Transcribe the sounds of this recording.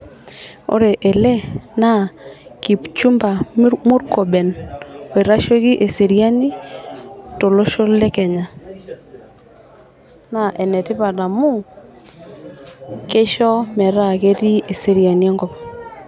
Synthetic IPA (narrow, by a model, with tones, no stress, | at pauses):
o̰˦ɾe˨ʔɛ˨lɛ˦na˦˨ki˨pt͡ʃu˦mba˨˦mu˦ɾkɔ˨ɓɛ˨no˨e˨ɾa˦ʃo˦ki˦ʔe˨se˨ɾi˦a˦ni˦ | to˨lo˦ʃo˦lɛ˦kɛ˨ɲa˨ | na˦ʔɛ˨nɛ˨ti˦βa˨na˨mu˦ | ke˦ʃɔ˦mɛ˨ɾa˦˨ke˦ti˦e˨se˨ɾi˨a˨ni˦ɛ˦ŋɡɔ˨pa˨